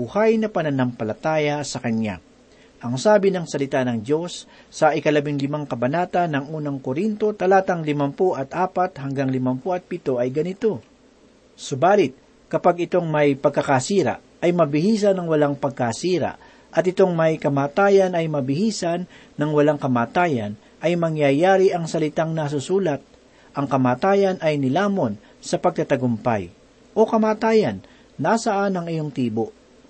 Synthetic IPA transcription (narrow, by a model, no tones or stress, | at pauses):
buhajnɐpɐnɐnɐmpɐlɐt̪aːjɐsɐkɐna̰ | ʔɐŋsaːbɪnɐŋsɐlɪt̪anɐŋd̪jo̞sː | ɐʔɪkɐlɐbɪŋlɪmaŋkɐbɐnaːt̪ɐnːɐŋuːnɐŋkoɾint̪o̞t̪ɐlaːt̪ɐŋlɪmɐmpoʔɐt̪ʔaːpat̪̚hɐŋɡaŋlɪmɐmpoʔɐt̪̚pɪt̪o̞ʔɐjɡɐnɪt̪o̞ | sʊbaːlɪt̪̚ | kɐpaɡɪt̪o̞ŋmɐjpɐɡ̚kɐkasiːɾa̰ | ɐjmɐbɪhiːs̬ɐnɐŋwɐlaŋpɐɡ̚kasiːɾa̰ʔ | ʔɐt̪ʔɪt̪o̞ŋmɐjkɐmaːt̪aːjɐnɐjmɐbɪhiːsanː | ɐŋwɐlaŋkɐmaːt̪aːjɐ̰n | ʔɐjmɐŋjajaːɾɪʔɐŋsɐlɪt̪aŋnɐs̬ʊsuːlɐt̪̚ | ʔɐŋkɐmaːt̪aːjɐnɐjnɪlaːmo̞n | sɐpɐɡ̚t̪ɐt̪ɐɡʊmpa̰j | ʔo̞kɐmaːt̪aːjɐnː | asɐʔanɐŋɪjo̞ŋt̪iːbo̞